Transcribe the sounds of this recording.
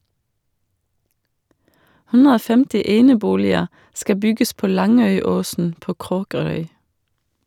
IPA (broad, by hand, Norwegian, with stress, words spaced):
ˈhʉnɾə ˈoː ˈfɛmtɪ ˈeːnəˌbuːlɪə ˈskɑ ˈbʏɡəs ˈpoː ˈlɑŋœʏˌoːsn̩ ˈpoː ˈkʁoːkəɾœʏ